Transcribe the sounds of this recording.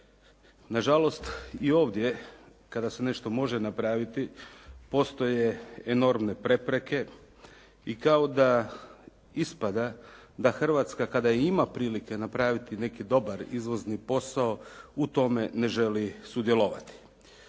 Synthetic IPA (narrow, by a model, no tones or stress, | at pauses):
naʒalo̞st̪io̞ːʋd̪je̞ | kad̪ase̞ne̞ʃt̪o̞mo̞ʒenapɾaʋit̪ipo̞st̪o̞je̞eno̞ɾmne̞pɾe̞pɾe̞ke̞ | ikaod̪a | ispad̪ad̪axr̩ʋat̪skakad̪aimapɾiːlike̞napɾaːʋit̪ine̞kid̪o̞baɾizʋo̞znipo̞sao̞ut̪o̞me̞ne̞ʒe̞lisud̪jelˠoʋat̪i̥